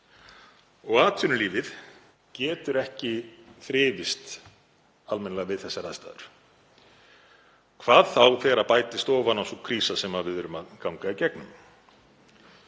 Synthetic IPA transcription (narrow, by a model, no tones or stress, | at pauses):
ɔɣaːt̪ʰʏnʏliːvɪð | cɛːt̪ʏɾɛhcɪθɾɪːvɪst̪ | almɛnalɛɣavɪðθɛsːaɾaðst̪a̰ːðʏɾ̥ | kʰv̥aːðθawθɛːɾapaːjt̪ɪst̪ɔːvanawsɔkʰɾiːsasɛmavɪðvʏɾʏmakawŋkaicɛknʏ̰m